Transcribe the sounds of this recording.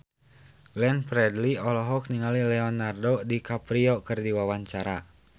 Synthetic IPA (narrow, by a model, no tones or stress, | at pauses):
ɡ̥lɛnpɾɛdliɔlɔɦɔk̚niŋalilɛɔnardodikapɾiɔkɨrdiwawaɲt͡ʃaɾa